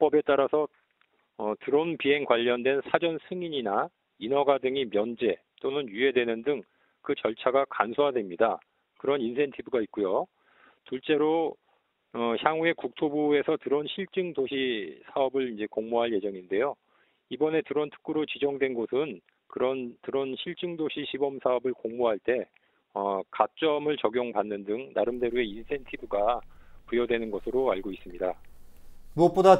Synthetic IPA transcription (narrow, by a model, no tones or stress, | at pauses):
p͈ʌbe̞t͈aɾasʰʌ | ʌtɯɾonpiɦe̞ŋkwaʎːʌndwe̞nsʰad͡ʑʌnsʰɯŋiɲina | inʌɡadɯŋimjʌnd͡ʑe̞ | t͈onɯnjue̞dwe̞nɯndɯŋ | kɯt͡ɕʌɭt͡ɕʰaɡakansʰoɦadwe̞mɲida | kɯɾʌninsʰe̞ntʰibuɡait̚k͈ujo | tuɭt͡ɕ͈e̞ɾo | ʌçjaŋue̞kuk̚tʰobue̞sʰʌtɯɾonɕʰiɭt͡ɕ͈ɯŋdoɕʰisʰaʌbɯɭind͡ʑe̞koŋmoɦaɭje̞d͡ʑʌŋinde̞jo | ibʌne̞tɯɾʌntʰɯ̥k͈uɾot͡ɕid͡ʑʌŋdwe̞nɡosʰɯn | kɯɾʌntɯɾʌnɕʰiɭt͡ɕ͈ɯŋdoɕʰiɕʰibʌmsʰaʌbɯɭkoŋmoɦaɭt͈e̞ | ʌkat͡ɕ͈ʌmɯɭt͡ɕʌɡjoŋpanːɯndɯŋnaɾɯmde̞ɾue̞insʰe̞ntʰibuɡapujʌdwe̞nɯnɡʌsʰɯɾoaɭɡois͈ɯmɲida | muʌp͈oda